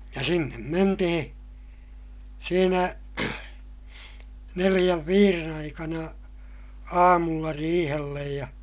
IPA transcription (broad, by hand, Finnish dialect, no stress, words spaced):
jɑ sinːem mentihĩː siːnæ nelij̆æʋ ʋiːren ɑikɑnɑ ɑːmulːɑ riːhelːej jɑ